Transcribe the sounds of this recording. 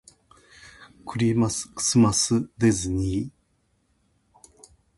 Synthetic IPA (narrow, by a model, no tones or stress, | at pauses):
kɯ̟ɾʲimaskɯ̥sɨmasɨd̪ezeɲi